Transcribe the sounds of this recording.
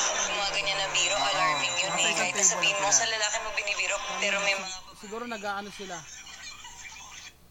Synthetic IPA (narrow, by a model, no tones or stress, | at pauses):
ʊmɐŋɐɡɐɲɐnɐbiːɾoʔɐlamɪŋjʊaɐk̪ɐjt̪ɐsɐɐiːɾosɐlɐlaːkɪnmɐɡ̚bɪnibiɾopɛːɾomɛsɪɡuːɾonɐɡaːʔɐnosɪla